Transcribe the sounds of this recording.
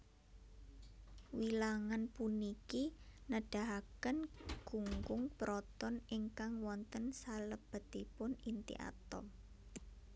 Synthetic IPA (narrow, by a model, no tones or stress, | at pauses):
wilaŋanpunikinəɖ̥a̤ɦakənɡ̥uŋɡʊŋpɾɔt̪ɔnɪŋkaŋwɔnt̪ənsaləb̥ə̤t̪ipʊnint̪ḭʔa̰t̪ɔ̰m